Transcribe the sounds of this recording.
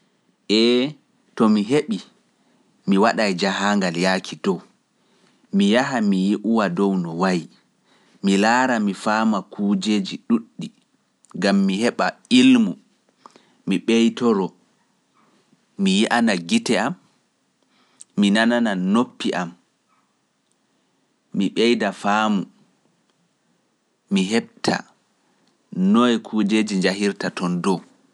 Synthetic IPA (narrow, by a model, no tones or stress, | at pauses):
ʔɛ | tɔmiɦeɓi | miwaɗajd͡ʒaɦaːŋɡaljaːkʰidɔw | mijaɦamijiʔuwadɔwnɔwaji | milaːɾamifaːmakʰuːd͡ʒed͡ʒiɗuɗːi | ɡamːihɛɓailmu | miɓejtɔɾɔ | mijiʔanaɡitɛam | inanananopːiʔam | miɓɛjdafaːmu | miɦɛɓ̚tʰa̰ | nɔjɛkʰuːd͡ʒeːd͡ʒiɲd͡ʒahiɾtatɔndɔ